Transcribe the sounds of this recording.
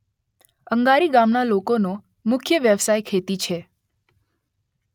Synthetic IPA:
əŋɡaɾiɡamnalokono | mʊkʰjəʋjəʋsajkʰet̪it͡ʃʰe

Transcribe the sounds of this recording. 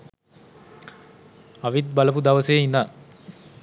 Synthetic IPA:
aʋit̪̚baləpud̪aʋəsejina

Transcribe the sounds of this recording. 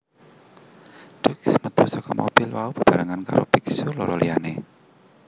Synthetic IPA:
ɖ̥ʊksmət̪usɔkɔmob̥ilwaub̥ə̤b̥a̤ɾaŋanka̰ɾopiksuloɾɔlḭane

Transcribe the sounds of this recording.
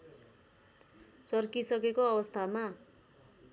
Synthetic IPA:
t͡sʌrkisʌkekoʌbʌst̪ʰama

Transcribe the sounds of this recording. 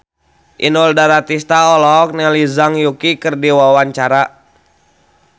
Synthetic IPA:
ʔinɔldaɾat̪ist̪aɔlɔk̚nɛlizaŋjukikərdiwawaɲt͡ʃaɾa

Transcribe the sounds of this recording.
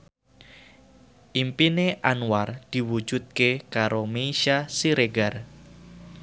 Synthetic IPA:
ʔimpineʔanward̪̥i̤wu̥d͡ʒʒ̥ut̪̚kekaɾomeiʃasiɾeɡar

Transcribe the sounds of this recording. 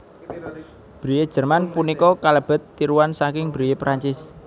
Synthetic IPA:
b̥ɾijed̥ʒ̥ə̤rmanpunikɔkaləb̥ə̤t̪ːiɾuwansakɪŋbɾijepɾaɲt͡ʃɪs

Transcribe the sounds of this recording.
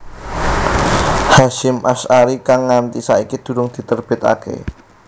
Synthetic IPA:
haʃɪmʔasaɾikaŋːant̪isaikid̪̥ṳɾʊŋd̪̥i̤t̪ərb̥ɪt̪a̰kḛ

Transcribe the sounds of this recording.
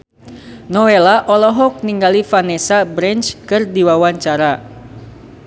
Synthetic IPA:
nɔwelaʔɔlɔɦɔk̚niŋɡalifanɛsabɾɛnt͡ʃkɨrdiwawaɲt͡ʃaɾa

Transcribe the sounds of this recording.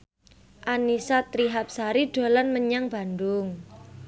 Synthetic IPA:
ʔanisat̪ɾiɦap̚saɾiɖ̥o̤lanməɲaŋb̥a̤nd̪ʊŋ

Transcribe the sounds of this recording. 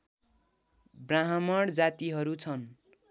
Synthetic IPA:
braɦʌmʌɽd͡zat̪iɦʌɾut͡sʰʌn

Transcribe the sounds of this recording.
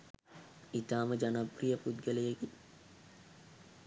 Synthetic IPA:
it̪aːməd͡ʒanaprijəpud̪ɡəlejəɡi

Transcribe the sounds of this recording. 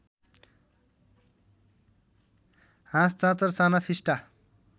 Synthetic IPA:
ɦãst͡sãt͡sʌrsanapʰisʈa

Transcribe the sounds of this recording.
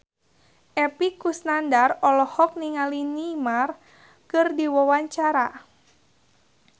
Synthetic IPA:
ʔɛpikusnandarɔlɔhɔk̚niŋalinimar | kɨrdiwɔwaɲt͡ʃaɾa

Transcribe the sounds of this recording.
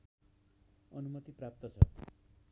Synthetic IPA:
ʌnumʌt̪iprap̚t̪ʌt͡sʰʌ̰

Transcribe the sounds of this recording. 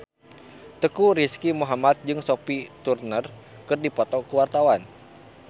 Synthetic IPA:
t̪əkuɾiskimuɦamat̪̚d͡ʒɨŋsopit̪urnər | kɨrdipɔt̪ɔkəwart̪awan

